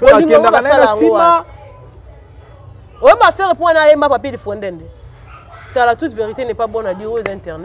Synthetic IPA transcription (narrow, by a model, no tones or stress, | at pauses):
oinkasalaua | ojoɓafɛɣepuanajembapapidifɔndɛndɛ | talatutveʁitenɛpabɔnadiud̃tɛʁnɛ